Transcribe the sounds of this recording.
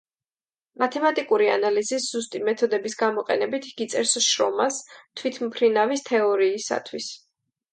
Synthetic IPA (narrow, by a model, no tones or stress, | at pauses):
mat̪ʰɛmat̪ʼikʼuɾianalizisz̥ust̪ʼimɛt̪ʰɔd̪ɛbisɡamɔqʼɛnɛbit̪ʰɡ̥it̪sʼɛɾsʃɾɔmast̪ʰwit̪ʰmpʰɾinavist̪ʰɛɔɾiːsa̰t̪ʰwis